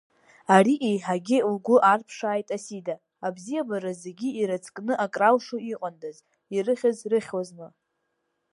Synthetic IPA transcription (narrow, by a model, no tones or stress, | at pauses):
ariʔejħaɡʲɪlɡʷʊʔarpʰʂaːjtʼasidaː | bzijabaɾazeɡʲiiɾat͡sʰʼkʼnɨʔakʼrawʂuiqʼandaz | irɨχʲazrɨχʲwaznɨ